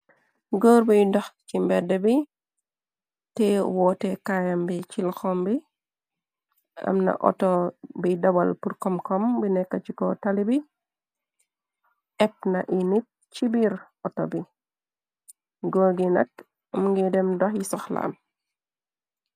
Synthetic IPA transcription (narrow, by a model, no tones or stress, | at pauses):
ɡoːɾbijdɔxkimbɛdɛbi | tɛwɔːtɛkajambit͡ʃilxɔmbi | ɐ̰mnɐ̰ʔɔ̰tɔbidɐbalpuɾkɔmkɔmbinɛkːat͡ʃikɔtalibi | ʔɛp̚nɐʔinit̚ | t͡ʃibiɾ | ɔtɔ̰bi | ɡoːɾɡinɐt | mŋɡidɛmdɔxjisɔxla̰ːm